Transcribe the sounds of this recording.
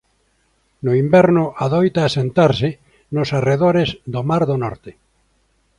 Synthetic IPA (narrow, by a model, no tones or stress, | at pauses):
nʊimbɛɾnʊaðojt̪aːsẽnt̪aɾsɪ | nosareðoɾezd̪omaɾðonɔɾt̪ɪ